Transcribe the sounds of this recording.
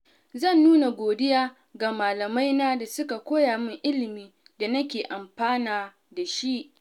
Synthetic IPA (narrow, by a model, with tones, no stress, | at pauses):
zɐ˦˨nːuː˦na˨ɡʷoː˨dɪ˦jaː˦ | ɡaː˨maː˨lɐ˨ma˦jnaː˦da˨sʊ˦ka˨kʷoː˦jaː˨mɪ˦ŋʔɪ˦lɪ˨miː˦ | da˨nɐ˦kʲeː˨ʔa˨mɸaː˦naː˨ | da˨ʃi˦ʔ